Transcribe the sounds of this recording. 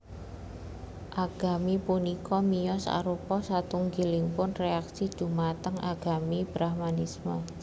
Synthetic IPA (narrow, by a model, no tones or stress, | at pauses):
ʔaɡ̥a̤mipunikɔmijɔsa̰ɾupɔsat̪uŋɡiliŋpʊnreaksid̥ʒ̥ṳmat̪əŋʔaɡ̥a̤mib̥ɾahmanismə